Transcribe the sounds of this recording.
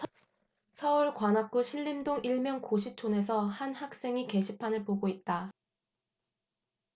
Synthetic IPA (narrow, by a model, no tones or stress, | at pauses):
sʰʌuɭkwanak͈uɕʰiɭːimdoŋiɭmjʌŋkoɕʰit͡ɕʰone̞s̬ʰʌhanhak̚s͈e̞ŋike̞ɕʰipʰanɯɭpoɡoit̚t͈a